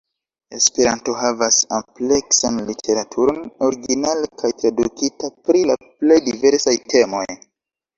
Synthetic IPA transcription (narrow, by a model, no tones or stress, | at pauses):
e̞̰spe̞ɾanto̞ɦavasample̞ksanlitʰe̞ɾatʰuɾo̞no̞ɾiɡinalkʰajtɾadukitapɾilaple̞jdive̞ɾsajtʰe̞mo̞j